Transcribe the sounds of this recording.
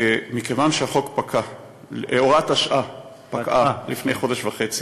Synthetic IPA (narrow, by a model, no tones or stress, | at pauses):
mikevanʃeaχo̞kpakʰa | eoʁataʃʔa | pakʔalifne̞jχo̞deʃvaχe̞t͡si̥